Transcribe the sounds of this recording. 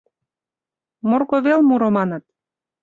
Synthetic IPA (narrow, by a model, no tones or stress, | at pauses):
morɣoβelmuɾomɑnɤ̆t̪̚